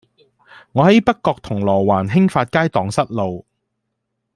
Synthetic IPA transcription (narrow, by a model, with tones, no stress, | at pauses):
ŋɔː˨˧hɦɐ˨˦jpɐ˥kkːɔː˧k̚t̪ʰʊ˨˩ŋlɔː˨˩waː˨˩nɦɪ˥ŋfaː˧t̚kaː˥jt̪ɔː˨˧˥ŋsɐ˥t̚lo˨˧w